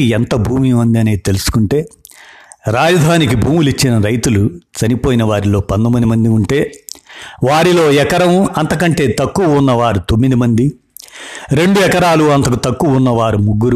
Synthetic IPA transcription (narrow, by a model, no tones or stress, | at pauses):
iɛnt̪ɐbʱuːmimɐnd̪iɐneːt̪e̞lusu̥kuɳʈe̞ː | ɾaːd͡ʒɐd̪ʱaːnik̬ibʱuːmulit͡ʃːinɐɾɐjt̪ulut͡ʃɐnipo̞ːjinɐʋaːɾilo̞ːpɐnd̪ɐmɐnd̪imɐnd̪iuɳʈe̞ː | ʋaːɾilo̞ːɛkɐɾɐmɐnt̪ɐk̬ɐɳʈe̞ːt̪ɐkːuʋɐunːɐʋaːɾut̪o̞mːid̪imɐnd̪i | ɾe̞ɳɖuɛkɐɾaːluɐnt̪ɐkut̪ɐkːuʋɐunːɐʋaːɾumuɡːuɾ